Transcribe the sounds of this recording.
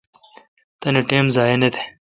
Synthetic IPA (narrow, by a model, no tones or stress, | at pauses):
t̪ɐneʈeːmzaːenet̪ʰe̥